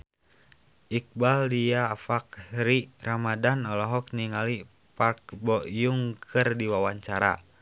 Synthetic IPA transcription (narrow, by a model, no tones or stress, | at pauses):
ʔik̚baldiaːfak̚ɾiramadanɔlɔɦɔk̚niŋali | park̚bɔjuŋkʰɨrdiwawaɲt͡ʃaɾa̰